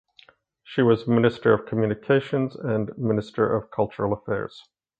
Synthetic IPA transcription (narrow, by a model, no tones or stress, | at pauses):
ʃiwʌzmɪnɨstə˞ʌv̥kʰm̩jʉnɨkʰeɪʃɨ̃nzɨ̃nmɪ̃nɨstʰə̰˞ʔʌv̥kʰʌlˠt͡ʃə˞l̩ˠəfɛ̰ɹz̥